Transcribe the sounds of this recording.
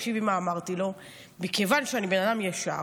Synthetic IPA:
ʃibimaːmaʁt̪ilo̞ | bikevanʃeanibe̞nadamjaʃa̰

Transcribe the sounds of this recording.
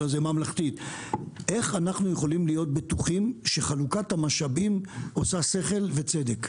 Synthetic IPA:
azemamlaχt̪itʔe̞χanaχnujeχo̞limlijo̞t̪̚bet̪uχimʃe̞χalukathamaʃabimo̞sase̞χe̞lve̞t͡se̞d̪ek

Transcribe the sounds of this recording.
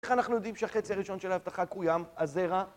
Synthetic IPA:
eχanaχnujo̞d̪imʃeaχe̞t͡siaʁiʃo̞nʃelahavt̪aχakujamazeʁa

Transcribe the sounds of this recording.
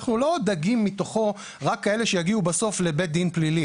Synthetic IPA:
χnulo̞d̪aɡimːit̪o̞χo̞ | ʁakːae̞leʃejaɡiubaso̞fle̞bet̪̚d̪inplili

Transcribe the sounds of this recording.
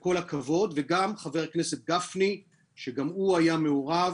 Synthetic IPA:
ko̞lakavo̞d̪veɡamχave̞ʁkne̞se̞t̪̚ɡafni | ʃeɡamuajame̞oʁav

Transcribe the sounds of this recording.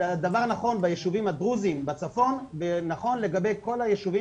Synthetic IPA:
ad̪avaʁnaχo̞nbajeʃuvimhad̪ʁuzimbat͡safo̞nvenaχo̞nle̞ɡabejko̞lajeʃuvi

